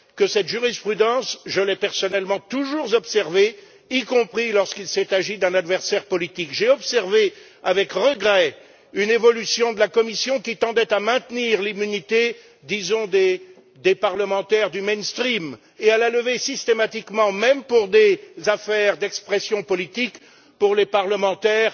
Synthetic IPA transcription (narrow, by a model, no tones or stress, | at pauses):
kəsɛt̪ʒyʁispχyd̪ɑ̃sʒəlɛpɛʁsɔnɛlmɑ̃t̪uʒuʁzɔpsɛʁve | ikɔ̃pχilɔʁskilsɛt̪aʒid̪ɛ̃nad̪vɛʁsɛʁpɔlit̪ikʒeɔpsɛʁve | avɛkʁəɡʁɛ | ynevɔlysjɔ̃d̪əlakɔmisjɔ̃kʲit̪ɑ̃d̪ɛt̪amɛ̃t̪niʁlimynit̪e | d̪izɔ̃d̪e | d̪epaʁləmɑ̃t̪ɛʁd̪ymɛnst̪χim | ealaləvesist̪emat̪ikmɑ̃mɛmpuʁd̪ezafɛʁd̪ɛkspχɛsjɔ̃pɔlit̪ik | puʁlepaʁləmɑ̃t̪ɛːʁ